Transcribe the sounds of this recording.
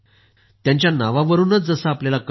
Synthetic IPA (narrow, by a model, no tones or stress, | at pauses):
t̪jaɲt͡ɕjanaʋaʋəɾuːnət͡sd͡zəsəːpljalak